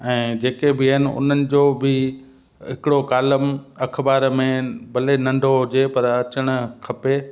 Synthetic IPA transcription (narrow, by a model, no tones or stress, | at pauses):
ɛ̃ːd͡ʑeːkebɪɦɪnɪ̆ʊ̰n̤ənɪ̆d͡ʑoːbɪ | ɦɪkɪɽokaːləmɐkʰbaːɾmẽbɐlenɐ̃ɳɖʱoɦʊd͡ʑepɐɾɐt͡ɕəɽ̃ʊ̆kʰɐpe